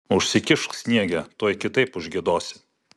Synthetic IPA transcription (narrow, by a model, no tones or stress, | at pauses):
ʊʃʲsʲɪkʲɪʃsʲnʲiɛɡʲɛt̪oɔjkʲɪt̪ɐɪpʊʒʲɡʲɪd̪oːsʲɪ̥